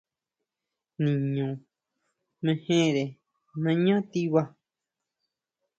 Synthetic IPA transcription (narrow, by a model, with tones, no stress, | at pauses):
nĩ˨ɲõ˨ | mẽ˧hẽ˦˨ɾe˨ | nã˧ɲã˦t̪i˦βa˧